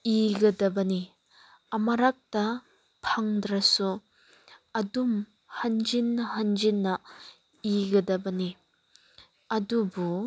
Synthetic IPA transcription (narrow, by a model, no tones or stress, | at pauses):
iɡɐdɐbɐni | ɐmɐɾak̚tɐ | pʰaŋdɾɐsu | ɐdum | hɐnd͡ʒinːɐɦɐnd͡ʒinːɐ | iɡɐdɐbɐni | ɐdubu